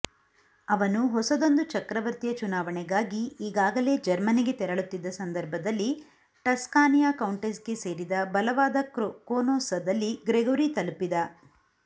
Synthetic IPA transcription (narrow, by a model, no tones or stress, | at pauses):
ɐʋɐnuɦɔsɐd̪o̞nd̪ut͡ʃɐkɾɐʋɐɾt̪ijɐt͡ʃunaːʋɐɳɛɡaːɡiiːɡaːɡɐle̞ːd͡ʒɐɾmɐniɡe̞t̪ɛɾɐɭut̪ːid̪ːɐsɐnd̪ɐɾbʱɐd̪ɐlːi | ʈɐskaːnijaːkɐwɳʈesɡe̞se̞ːɾid̪ɐbɐlɐʋaːd̪ɐkkoːnoːsɐd̪ɐlːiɡɾeɡɐʋɾit̪ɐlpid̪ɐ